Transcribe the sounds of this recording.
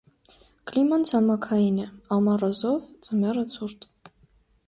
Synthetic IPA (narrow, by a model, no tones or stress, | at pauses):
klimɑnt͡sʰɑmɑkʰɑjinɛɑmɑrɑzɔvd͡zəmɛrət͡sʰuɾt̪